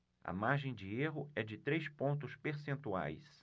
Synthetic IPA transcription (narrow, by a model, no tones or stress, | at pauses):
ɐ̰maɾʒẽj̃d͡ʒɪeɦʊɛd͡ʒɪt̪ɾejspõnt̪̬ʊspeɾsẽnt̪ua̰js